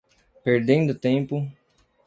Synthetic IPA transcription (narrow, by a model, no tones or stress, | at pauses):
peɾd̪ẽnd̪ʊt̪ẽpʊ